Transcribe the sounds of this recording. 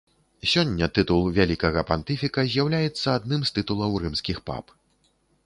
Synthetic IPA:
sʲɔnʲːɐt̪ɨt̪ulˠvʲalʲikɐɣɐpant̪ɨfʲikɐzʲjawlʲajɛt̪sːɐad̪nɨmst̪ɨt̪ulˠɐwrɨmskʲixpa̰p

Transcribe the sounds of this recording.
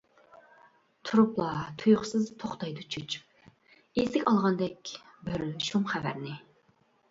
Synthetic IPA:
t̪ʰuɾuplˠɑt̪ʰujχʊsɨzt̪ʰoχt̪ɑjd̪ut͡ʃʰyt͡ʃ | ezɪkʲɑlˠʁɑnd̪ɛkʲbɪɾʃumχævæ̰ɾnɪ

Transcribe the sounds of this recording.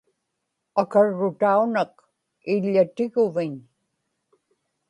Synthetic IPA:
akaɻːʊt̪aunaq̚ | ɪʎːat̪ɪɣʊvɪɲ

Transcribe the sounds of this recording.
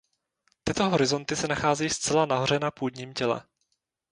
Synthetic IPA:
t̪ɪt̪o̞ɦo̞ɾɪzo̞nt̪ɪsɛnaxaːzijst͡sɛlanaɦo̞r̝ɛnapuːd̪ɲiːmcɛlɛ̰

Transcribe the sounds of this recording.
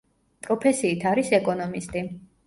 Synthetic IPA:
pʼɾɔpʰɛsiːt̪ʰaɾisɛkʼɔnɔmist̪ʼi

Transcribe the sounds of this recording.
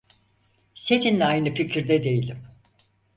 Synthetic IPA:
se̞nind̪ɛajnɯficʰiɾd̪ɛd̪e̞jilʲim

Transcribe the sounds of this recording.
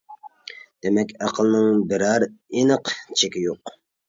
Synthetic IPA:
d̪̥emɛkʲɑqʰəlˠnɨŋbɪɾɑɾenəqt͡ʃʰekʲijoq

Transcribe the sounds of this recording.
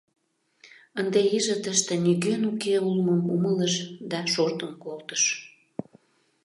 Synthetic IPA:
ənd̪eiʒət̪əʃt̪eniɣønukeulməmumələʃd̪ɑʃort̪əmkolt̪ə̥ʃ

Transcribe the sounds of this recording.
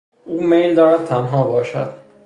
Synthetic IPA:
ʔuːmejld̪ɒːɾæd̪̚t̪ʰænɦɒːbɒːʃæ̰d̪̥

